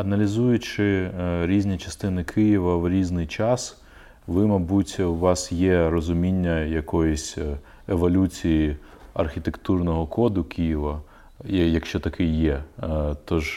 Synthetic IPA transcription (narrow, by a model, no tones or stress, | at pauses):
ɐnɐlʲizujʊt͡ʃɪɾʲizʲnʲit͡ʃɐ̥st̪ɪnɪkʰɪjɪʋɐwɾʲiznɪjt͡ʃɑs | ʋɪmɐbutʲwʋɑsjɛɾɔzʊmʲinʲːɐjɐkɔjɛsʲ | eʋɔlʲut͡sʲiji | ɐ̰rxʲit̪ekt̪urnɔɦɔkʰɔd̪ʊkʲijiʋɐ | jɐkʃt͡ʃɔt̪ɐkʰɪjɛt̪ɔʒ